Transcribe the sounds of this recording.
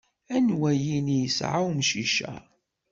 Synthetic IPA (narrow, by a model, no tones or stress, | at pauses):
ænwæjinijəsʕawmʃiʃæ̰